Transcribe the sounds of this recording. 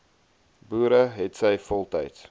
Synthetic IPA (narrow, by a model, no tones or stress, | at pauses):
buːɾəɦɛtsəjfɔlˠtə̰jt